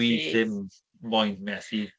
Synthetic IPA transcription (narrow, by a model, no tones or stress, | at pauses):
iθɪmː | ɔjndmɛsi